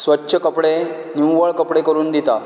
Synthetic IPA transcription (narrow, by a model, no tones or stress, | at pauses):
sʋətːɕəkəpɽe | njuʋəɭkəpɽekəɾuːnd̪it̪a